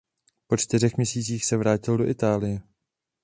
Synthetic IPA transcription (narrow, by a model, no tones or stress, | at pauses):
po̞t͡ʃt̪ɪrɛxmɲɛsiːt͡siːxsɛvɾaːcɪldo̞ʔɪt̪aːlɪjɛ